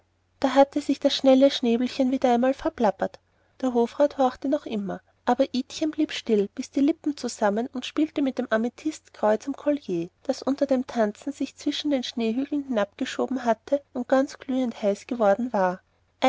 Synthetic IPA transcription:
d̥aːɦatʰəzɪçd̥asʃnɛləʃneːbl̩çənviːdɐʔaɪnmaːlfɛɐplapɐt | d̥eːɐɦoːfʁaːthɔɐxtənɔχʔɪmɐ | ʔaːbɐʔiːtçənbliːpʃtɪlb̥ɪsd̥iːlɪpm̩t͡suzamənʊntʃpiːltəmɪt̚d̥eːmʔamitʰɪstkʁ̥ɔʏt͡sɪmkʰɔljeːd̥asʔʊntɐdeːmtʰant͡sn̩zɪçt͡sv̥ɪʃn̩deːnʃneːɦyːɡl̩n̩hɪnapɡ̥əʃoːbm̩ɦatʰəʊnt̚ɡ̥ant͡sɡ̥lyːənthaɪsɡ̥əvɔɐdn̩vaːɐ | ʔ

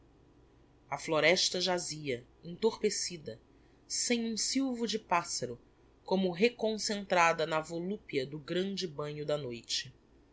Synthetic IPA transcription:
ɐfloɾɛʃt̪ɐʒaziɐ | ẽt̪oɾpesid̪ɐ | sẽj̃ũsiwvʊd͡ʒɪpasɐɾʊ | kõmʊɦekõsẽnt̪ɾad̪ɐnɐvolupiɐd̪ʊɡɾɐ̃nd͡ʒɪbɐ̃ɲʊd̪ɐnojt͡ʃɪ̥

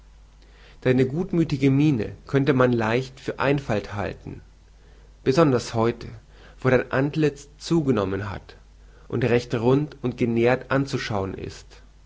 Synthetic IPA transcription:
d̥aɪnəɡuːtmyːtɪɡəmiːnə̰kʰœntəmanlaɪçtfyːɐʔaɪnfaltha̰ltn̩ | b̥əzɔndɐshɔʏtʰə | v̥oːɾaɪnʔantlɪt͡st͡suːɡənɔmənɦa̰t | ʔʊntʁɛçtʁʊntʊnt̚ɡ̥əneːɐtʔant͡suʃaʊənʔɪ̰st

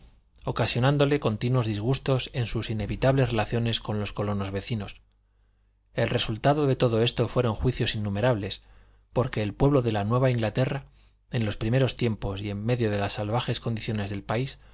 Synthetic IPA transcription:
o̞kasjo̞nãnd̪o̞le̞ko̞nt̪inwo̞zðizɣ̞ust̪o̞se̞nsusine̞βit̪aβle̞zre̞laθjo̞ne̞sko̞nlo̞skolo̞no̞zβe̞θino̞s | e̞lre̞sult̪aðo̞ðe̞t̪o̞ðo̞e̞st̪o̞fwe̞ɾo̞ŋxwiθjo̞sinːume̞ɾaβle̞s | po̞ɾke̞ːlpwe̞βlo̞ðe̞lanwe̞β̞aiŋɡlat̪e̞ra | e̞nlo̞spɾime̞ɾo̞st̪je̞mpo̞sie̞mːe̞ðjo̞ð̞e̞lasːalβ̞axe̞skond̪iθjo̞ne̞zðe̞lpais

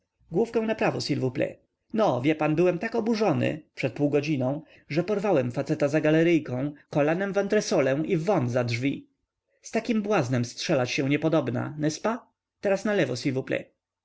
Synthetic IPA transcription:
ɡwufkɛw̃napɾavɔsʲilvuplɛ̰ | nɔvʲjɛpanbɘwɛmt̪akɔbuʐɔnɘ̰pʂɛt̪̚puwɡɔd͡ʑinɔ̃w̃ | ʐɛpɔɾvawɛmfat̪sɛt̪azaɡalɛɾɘjkɔ̃w̃kɔlanɛmvant̪ɾɛsɔlɛw̃ivɔnzadʐvʲi | st̪akʲimbwaznɛmstʂɛlat͡ɕɕɛ̃w̃ɲɛpɔd̪ɔbna̰nɛspa | t̪ɛɾasnalɛvɔsʲilvuplɛ̰

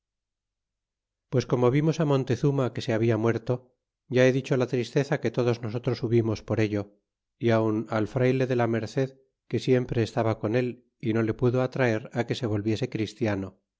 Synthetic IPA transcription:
pwe̞sko̞mo̞βimo̞samõ̞nt̪e̞θumake̞se̞aβ̞iamwe̞ɾt̪o̞ | ʝae̞ðit͡ʃo̞lat̪ɾist̪e̞θake̞t̪o̞ðo̞zno̞so̞t̪ɾo̞suβimo̞spo̞ɾe̞ʎo̞ | iaunalfɾajle̞ðe̞lame̞ɾθe̞ð | ke̞sje̞mpɾe̞ːst̪aβako̞ne̞l | ino̞le̞puðo̞at̪ɾae̞ɾake̞se̞β̞o̞lβje̞se̞kɾist̪jano

